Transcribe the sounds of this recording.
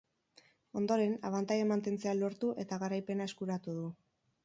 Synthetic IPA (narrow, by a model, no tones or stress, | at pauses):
o̞nd̪o̞ɾe̞naβ̞ant̪ajamant̪e̞nt͡se̞alo̞ɾt̪uʔe̞t̪aɣaɾajpe̞naeskuɾat̪uðu